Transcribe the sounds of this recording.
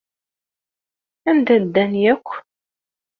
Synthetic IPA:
ænd̪æd̪ːænjækʷː

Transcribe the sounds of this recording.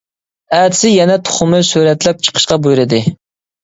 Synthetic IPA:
æd̪ɪ̥sɪjɛnɛt̪ʰʊ̥χʊmɨsyɾɛt̪lɛp̚t͡ʃʰə̥qʰə̥ʃqɑbujuɾɨd̪ɨ

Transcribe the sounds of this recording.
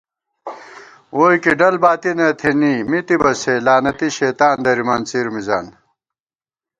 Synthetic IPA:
oːjkiɖɐlbaːt̪inɐt̪ʰenimit̪ibɐselaːnɐt̪iɕeːt̪aːnd̪ɐɾimaːnt͡siːɾmiza̰ːn

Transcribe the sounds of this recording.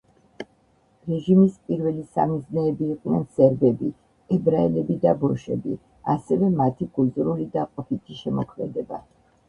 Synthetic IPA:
ɾɛʒimispʼiɾvɛlisa̰miznɛːbiːqʼnɛnsɛɾbɛbi | ɛbɾaɛlɛbid̪abɔʃɛbḭ | asɛvɛmat̪ʰikʰʼuzɾulid̪aqʼɔpʰit̪ʰiʃɛmɔkʰmɛd̪ɛba̰

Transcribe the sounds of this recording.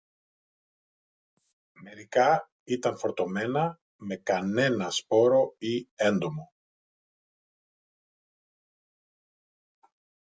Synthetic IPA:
me̞ɾikɐ | it̪ɐɱfo̞ɾt̪o̞me̞nɐ | me̞kɐne̞nɐspo̞ɾo̞ie̞nd̪o̞mo̞

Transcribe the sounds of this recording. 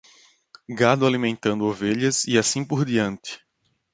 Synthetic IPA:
ɡad̪ʊalimẽnt̪ɐ̃nd̪ʊoveʎɐziasĩpoɾd̪iɐ̃nt̪ɪ̥

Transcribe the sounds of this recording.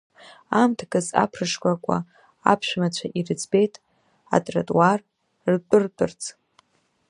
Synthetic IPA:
amtʰɡʼɨza̰pʰrɨʂkʷʼakʷʼa̰ | a̰pʰʃᶣmat͡ɕʷʰaʔirɨd͡zbe̞jtʼ | a̰tʼratʼwar | rtʷʼɨrtʼɨrt͡sʰ

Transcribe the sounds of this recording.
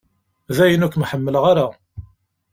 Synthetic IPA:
ðæjənukʷːmħəmːələʁaɾa

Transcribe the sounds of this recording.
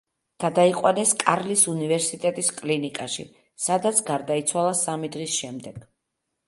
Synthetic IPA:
ɡ̥ad̪aiqʼwanɛskʼaɾlisunivɛɾsit̪ʼɛt̪ʼiskʼlinikʼaʃḭ | sad̪at̪sʰɡaɾd̪ait̪sʰwalˠasamid̪ʁisʃɛmd̪ɛɡ̥

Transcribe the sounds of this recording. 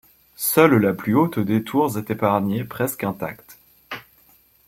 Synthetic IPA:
sœllaplyot̪d̪et̪ʰuʁzɛt̪epaʁnepχɛskɛ̃t̪a̰kt̪

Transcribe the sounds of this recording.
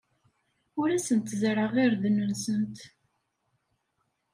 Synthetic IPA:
ʊɾæsənt̪zɾəʁiɾd̪nənsənt̪

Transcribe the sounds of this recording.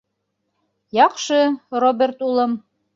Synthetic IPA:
jɑqʃɤrobʲert̪ulˠɤm

